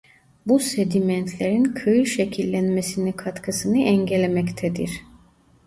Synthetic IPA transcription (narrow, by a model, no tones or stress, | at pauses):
bused̪imɛnt̪ʰlʲe̞ɾinkʰɯɯʃecʰilʲːænme̞sinikʰat̪kʰɯsɯnɯʔɛɲɟelʲemɛct̪ʰɛd̪ḭɾ̥